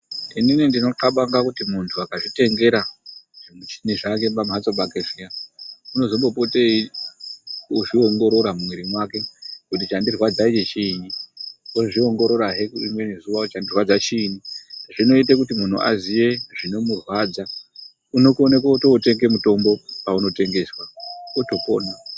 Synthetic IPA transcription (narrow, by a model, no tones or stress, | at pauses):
ininindino̞ǃaɓaŋɡakutimuntʰuakaʐite̞ŋɡe̞ɾaʐit͡ʃiniʐak̬e̞mbamat͡soɓakeʐijauno̞zo̞mbo̞po̞tei | uʐioŋɡo̞ɾo̞ɾammwiɾimwake̞kut̬it͡ʃandirwad͡zait͡ʃet͡ʃiːnioʐio̞ŋɡo̞ɾo̞ɾaɦekuimwe̞nezuʋat͡ʃandirwad͡zat͡ʃiːniʐino̞it̬ak̬utimun̤ṵʔa̰ziʋe̞ʐino̞murwaːd͡za | uno̞kuonekautoute̞ŋɡe̞muto̞mbo̞pauno̞te̞ŋɡe̞swaoto̞po̞̰ːna